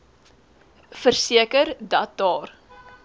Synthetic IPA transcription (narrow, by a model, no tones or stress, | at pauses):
fərsiəkərdɐt̚ɑːr